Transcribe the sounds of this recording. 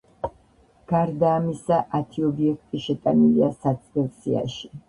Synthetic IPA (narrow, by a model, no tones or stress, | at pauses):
ɡ̥aɾd̪aːmisaʔat̪ʰiɔbiɛk̚ʰt̪ʼiʃɛt̪ʼaniliasat̪sʼvɛlsia̰ʃi